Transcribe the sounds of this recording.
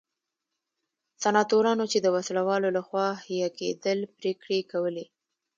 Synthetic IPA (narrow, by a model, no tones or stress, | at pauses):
sanɑt̪oɾɑnot͡ʃed̪əwaslawɑlolaxwɑhijakḛd̪əlpɾekɽekawəle